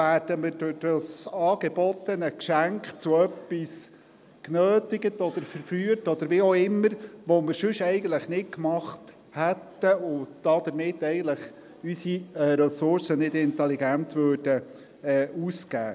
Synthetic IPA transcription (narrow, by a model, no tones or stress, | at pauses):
æːɾd̥əmɪɾdʊd̥ɑsɑːɡ̥eb̥ɔt̪ənəkʃæŋkχt͡sʊœpːis | knøːt̪ɪɡətɔd̪̥əɾfəɾfyːəɾtɔd̪əɾʋioɪmːəɾʋɔmɪɾʃɵʃɛɪɡən̩t̪ləχnɪt̚kmɑχt | hɛt̪ːəʊd̥ɑd̥̪əɾmɪt̪ːɛɪɡən̩t̪ləχ | ysiɛːɾɛsʊɾsənɪdɪnt̪ɛliɡænt̪ʋøːɾdə | ɛːuskæ̰ː